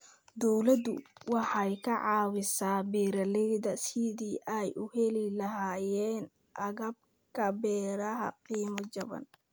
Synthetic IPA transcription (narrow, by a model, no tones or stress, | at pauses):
d̪ɔwlɐd̪ʊ̰wɑħɑjkʰɐʕɑːwɪsaːbiːɾɐlɛjðɐsid̪iːʔɛjʔʊhɛlɪlɐɦaːjɛːn | ʔɐɣɐb̚ | kʰɐbɛːɾɐɦɐ̰qiːmɐd͡ʒɐbɐ̰n